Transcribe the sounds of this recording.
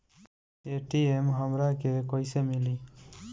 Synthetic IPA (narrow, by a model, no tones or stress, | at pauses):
eʈiemɦəmɾakekojsemili